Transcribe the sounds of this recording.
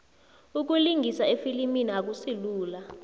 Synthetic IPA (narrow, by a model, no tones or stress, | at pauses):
uk̬uliŋɡʱisaefiliminiak̬usiluːla